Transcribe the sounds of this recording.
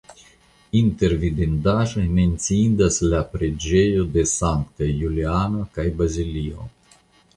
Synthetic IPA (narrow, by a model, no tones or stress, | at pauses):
int̪ervid̪ind̪aʒment̪siind̪əsleapɾed͡ʒejud̪esaŋkt̪əjulianakajbazilio̰